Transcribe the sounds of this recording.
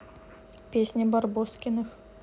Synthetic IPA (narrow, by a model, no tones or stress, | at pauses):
pʲesʲnʲebɑrboskʲinəx